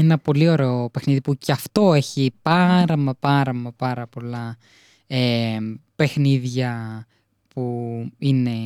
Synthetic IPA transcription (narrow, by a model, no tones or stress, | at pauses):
enɐpo̞lio̞ɾe̞ope̞xniðipuceɐft̪o̞e̞çipɐɾɐmɐpɐɾɐmɐpɐɾɐpo̞lɐ | epe̞xniðʝɐ | puine̞